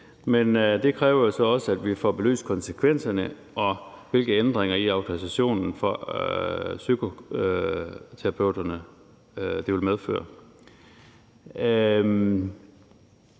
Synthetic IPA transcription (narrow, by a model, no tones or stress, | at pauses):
mend̥e̝kʰʁɛːʊɐjo̝sɒ̽ɒ̽səæd̥ʋifɒ̰ːb̥e̝ly̰ːskʰɒ̽nsəkʰʋen̰sɐnə | ʔɒ̽ʋe̝lɡ̥əend̥ʁeŋɐiɑ̈ʊt͡sʰo̝ʁisæɕo̝̰ːnn̩fɒ | sykʰo̝ | t͡sʰeʁɑpʰøʊd̥ɐnə | d̥iʋe̝lmeð̞ˠfø̰ːɐ